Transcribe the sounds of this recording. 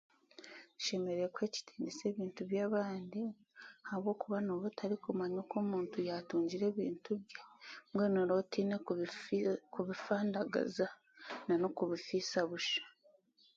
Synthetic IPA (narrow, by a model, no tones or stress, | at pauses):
u̥ʃe̞me̞ɾekwe̞ːci̥tʰi̥ːnese̞ːβiːntuβjaːβaːndi | aβwo̞ːkuβano̞βotʰaɾikumaɲoko̞ːmuːntujatuːɲɟiɾe̞ːβḭːntuβjamwe̞noɾo̞tiːne | kuβifaːndaɡa̰za | nano̞kuβifisaβuʃḁ